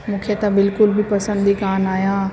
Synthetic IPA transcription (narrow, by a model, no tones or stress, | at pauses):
mʊkʰjət̪abɪlkʊlbʱipɐsə̃nd̪ʱikaːnaːjaː